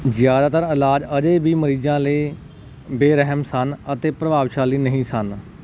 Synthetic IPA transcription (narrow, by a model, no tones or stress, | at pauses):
zjaːd̪aːt̪əɾɪlaːd͡ʒəd͡ʒeːbiːməɾiːd͡ʒãːləiː | beːɾəɦmsənət̪eːpɾəbaːʋʃaːliːnəɦĩːsən